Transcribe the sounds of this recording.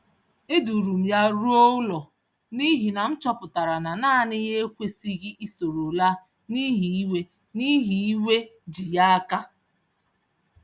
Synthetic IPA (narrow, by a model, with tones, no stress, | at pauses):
ɪ˦du˨ɾu˨m̩˨ja˦ɾu˦o˦lɔ˨ | ni˦ɦi˨na˨n̩˦t͡ʃɔ˦pʊ˨ta˨ɾa˨na˨na˦˨nɪ˦ɣe˦e˦kʷe˦si˦ɣi˦ʔi˦so˨ɾo˨la˦ | ni˦ɦi˨i˦we˦ | ni˦ɦi˨i˦we˦d͡ʒi˨ja˦a˦ka˦